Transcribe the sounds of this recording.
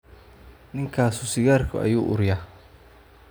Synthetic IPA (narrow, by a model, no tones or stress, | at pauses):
nɪŋkʰaːsʊsɪɣaːrkʰʊ̰ɐ̰juːʔʊɾjaː